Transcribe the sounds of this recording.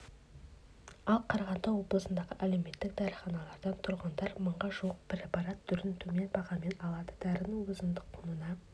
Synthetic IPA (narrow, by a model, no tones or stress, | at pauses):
ɑlˠqʰɑɾɑʁɑnd̪ɑwo̞blˠəsənd̪ɑʁəʔæle̞wme̞t̪ːɪk̚d̪ɑɾχɑnɑlˠɑɾd̪ɑnt̪ʰʊɾʁɑnd̪ɑɾməɴʁɑʒuwəq̚b̥ɪɾepɑɾɑt̪ːʰʏɾɪnt̪ʰume̞nbɑʁɑme̞nɑlˠɑd̪əd̪̥æɾɪnɪŋwɵzənd̪əq̚qʰʊnənɑ